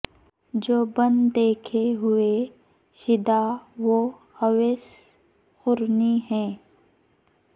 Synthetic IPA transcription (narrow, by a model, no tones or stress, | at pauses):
d͡ʒoːbɐ̃nd̪ːeːkʰeɦʊe | ʃɪd̪aʋo | hɐʋes | xʊɾniɦɛ̃ː